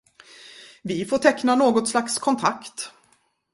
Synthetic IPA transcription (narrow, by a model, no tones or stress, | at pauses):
vɪfoːʈʰɛknanoːɡɔt̪slakskʰɔnt̪ʰakt̪